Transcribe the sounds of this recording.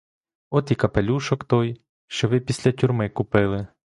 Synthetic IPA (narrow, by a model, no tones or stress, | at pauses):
ɔt̪ikɐpelʲuʃɔkt̪ɔj | ʃt͡ʃɔʋɪpʲisʲlʲɐt̪ʲʊrmɪkʊpɪlˠɪ